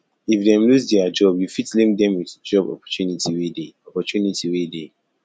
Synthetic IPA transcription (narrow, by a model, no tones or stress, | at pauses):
ifdɛ̃mluzdɛad͡ʒɔbjufitlĩŋdɛ̃mwitd͡ʒɔbɔ̰pɔ̥tjunitiwedeɔpɔtunitʰiwede